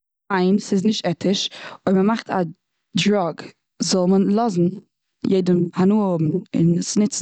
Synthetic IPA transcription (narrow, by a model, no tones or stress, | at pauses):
aɪnsɪznɪʃtɛtɪʃɔɪməmaχtʰa̰ | dɾɔɡ | zɔlˠmənlˠɔzn̩ | jeɪdəmhanuːəhʊbm̩ɪ̰nsnɪt͡s